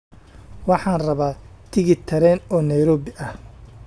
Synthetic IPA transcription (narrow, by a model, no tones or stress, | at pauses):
wɑħɑːnrɐβaːt̪ʰɪɣɪt̪ʰɐɾɛːnɔːnɐjɾɔːbɪʔɐh